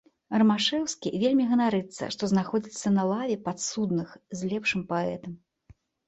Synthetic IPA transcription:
ɐrɐmaʂɛwskʲivʲelʲmʲiɣɐnaɾɨt̪sːɐ̰ʂt̪ɔznaxɔd͡zʲit̪sːɐnɐlˠavʲɛpat̪sud̪nɨxzʲlʲɛpʂɨmpaɛt̪ɐm

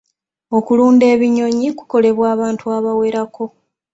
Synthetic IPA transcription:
o̞kuluːnde̞ːβiɲo̞ɲiku̥ko̞le̞βwaːβaːntuaːβawe̞ɾakʰo̞

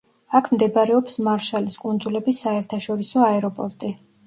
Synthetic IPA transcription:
akʰmd̪ɛbaɾɛɔpsmaɾʃaliskʼund̪zulɛbisːaɛɾt̪ʰaʃɔɾisɔaɛɾɔpʼɔɾt̪ʼi

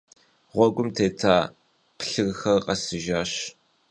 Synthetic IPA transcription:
ʁʷɔɡʷʊmtʰeːtʰaː | pɬɨɣxɐrqɐsɨʒaːɕ

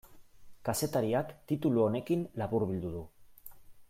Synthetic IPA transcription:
kase̞t̪aɾiakt̪it̪uluo̞ne̞kinlaβuɾβild̪uð̞u

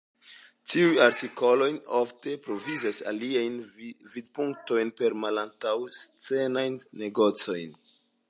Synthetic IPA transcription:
tiujaɾtiko̞lo̞jnofte̞pɾo̞vizasa̰liajnvid̚puŋk̚to̞jnpe̞ɾmalantawst͡se̞najnːe̞ɡo̞t͡so̞jn

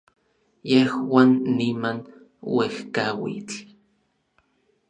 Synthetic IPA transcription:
jehwaːnːiman | wehkawḭt͡ɬ

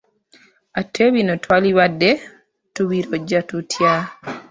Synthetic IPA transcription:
atʰeβinɔtʰwaliwadːɛ | tubiɾɔd͡ʒatutʰja

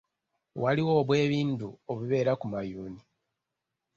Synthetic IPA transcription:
waliwo̞ːβwe̞ːβiːntuoβiβe̞ːɾakumajuːni

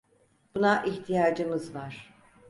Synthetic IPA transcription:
b̥unaʔiçt̪ʰijaːd͡ʒɯmɯzvaɾ̥

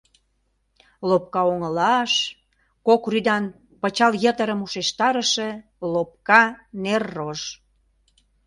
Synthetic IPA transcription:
lop̚kɑoŋəlɑʃ | kokryd̪ɑn | pət͡ɕɑljət̪əɾəmuʃeʃt̪ɑɾəʃe | lop̚kɑnerːoʃ

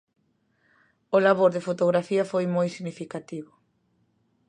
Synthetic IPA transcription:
olaβoɾðɪfot̪oɣɾafiɐfojmojsiɣnifikat̪iβʊ

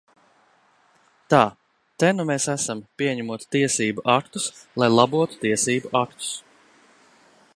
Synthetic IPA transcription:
t̪aː | t̪ɛnumesæsampʲiɛɲæmuɔt̪t̪iɛsiːbuʔakt̪uslˠajlˠabuɔt̪u̥t̪iɛsiːbuʔakt̪u̥s

